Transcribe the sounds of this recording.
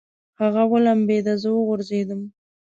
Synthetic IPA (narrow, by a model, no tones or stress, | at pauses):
haɣawəlambed̪azəwəɣʊɾzed̪əm